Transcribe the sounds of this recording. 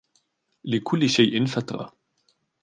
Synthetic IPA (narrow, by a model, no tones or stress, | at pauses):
lɪkʰʊlːɪʃajʔɪnfat̪ɾɑ̰